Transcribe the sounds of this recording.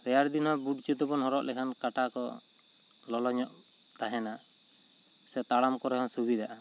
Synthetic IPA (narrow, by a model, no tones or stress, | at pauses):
ɾɛjaɾd̪inwabuʈ̚t͡ʃit̪ɔbɔnhɔɾɔʔlɛkʰankaʈakɔ̰ | lɔlɔɲɔʔ | t̪aɦɛna | sɛt̪aɽamkɔɾɛkʰansubid̪aʔa